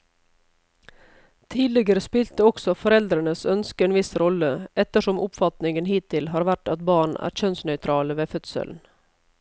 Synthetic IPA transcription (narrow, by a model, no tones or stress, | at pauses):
t̪ʰiːlɪɡəɾəspɪlt̪əɔksɔfɔɾɛld̪ɾəɳəsœnskəeːnʋɪsɾɔləʔɛt̪əʂɔmʔʊpfɑt̪nɪŋənɦiːt̪ʰːɪlɦɑːɾʋæʈɑt̪bɑːɳæ̰ːɾçœnsnœʏt̪ʰɾɑːləʋeːfœt̪sə̰ln̩